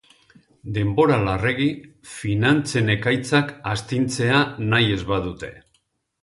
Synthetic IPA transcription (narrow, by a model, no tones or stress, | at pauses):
d̪e̞mbo̞ɾalare̞ɣi | finant͡se̞ne̞kajt͡sakast̪int͡se̞anaje̞zβaðut̪e̞̥̰